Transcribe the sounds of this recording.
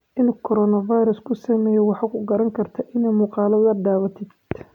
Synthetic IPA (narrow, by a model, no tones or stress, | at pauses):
ʔɪnkʰɔɾɔnɐvajɾɐskʰʊsɐmɛːjɛwɑħɑkʰʊɡɐɾɐŋkʰɐrt̪ʰɐʔɪnɛːjmʊːqɑːlɐðɐɖaːβɐt̪ʰɪd̪̥